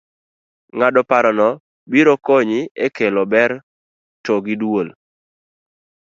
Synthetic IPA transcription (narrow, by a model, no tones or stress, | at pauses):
ŋadɔpaɾɔnɔ | biɾɔkoɲɪekelɔbɛɾ | toɡidwol